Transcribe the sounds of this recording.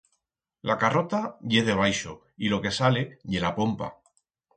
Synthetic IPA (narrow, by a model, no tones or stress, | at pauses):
lakaro̞t̪aʝe̞ðe̞β̞ajʃo | ilo̞ke̞sale̞ʝe̞lapo̞mpa̰